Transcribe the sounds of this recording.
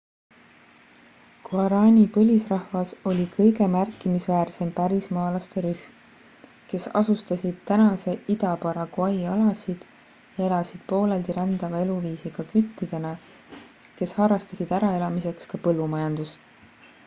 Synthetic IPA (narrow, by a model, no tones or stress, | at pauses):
kuɑɾɑːnʲipɤlʲisrɑhvɑso̞lʲikʰɤjɡe̞mærkːˑimisvæːrse̞mpæɾismɑːlɑst̪e̞ɾyhm | ke̞sɑ̰sust̪ɑsʲid̪̥t̪ænɑse̞ʔid̪ɑpɑɾɑkuɑjɑlɑsid̪̥ | jɑe̞lɑsid̪̥po̞ːleld̪iɾɑnd̪̥ɑvɑe̞luviːsiɡ̥ɑkyt̪ːˑid̪̥e̞nɑ | ke̞shɑrɑst̪ɑsid̪̥æɾɑe̞lɑmise̞kskɑpɤlːumɑjɑnd̪̥us